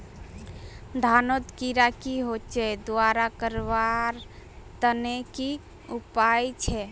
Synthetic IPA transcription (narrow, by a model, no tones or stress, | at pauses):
d̪ʱanot̪kiɾakiɦot͡ʃʰɛd̪uaɾakəɾβaɾ | t̪əneki | upajt͡ʃʰɛ